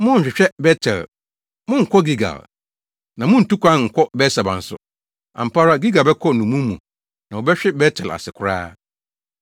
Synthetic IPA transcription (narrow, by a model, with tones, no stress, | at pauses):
mʊ̃˦n̩˨ɕᶣɪ˨ɕᶣɛ˦bɛ˦tʰɛ̰˨l | mʊ̃˦ŋ̩˨kʷʰɔ˦ɡi˦ɡa̰˨l | nã˨mʊ̃˦n̩˨tu˦kʷã˦ŋ̩˨kʰɔ˦bɛ˦sa˨bã̰˨n̩˨sʊ̰˨ | a̰˨m̩˨pʰa˦ɾa˦ɡi˦ɡa˨lbɛ˦kʰɔ˦nũ˨mũ˦mũ˨ | nã˨wɔ˨bɛ˦ɕᶣɛ˦bɛ˦tʰɛ˨la̰˨sɪ˨kʰʊ˦ɾa̰ː˦